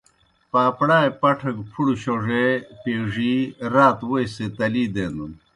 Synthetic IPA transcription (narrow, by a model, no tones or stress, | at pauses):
paːpɽaːjpɐʈʰɐŋɡpʰuɽuɕoʐepeːʐiɾaːt̪wojset̪ɐliːd̪eːnun